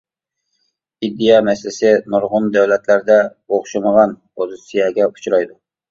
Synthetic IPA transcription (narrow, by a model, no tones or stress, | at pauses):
id̪ːijɑmɛsɪlɪsɪnuɾʁʊnd̪æwlɛt̪læɾd̪ɛoχʃɨməʁɑn | ozsijɑɡʲɛu̥t͡ʃʰɾɑjd̪u